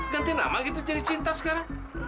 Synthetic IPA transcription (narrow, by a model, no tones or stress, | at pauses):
kant̪ina̰makit̪̬ud͡ʒaɾit͡ʃint̪askaɾa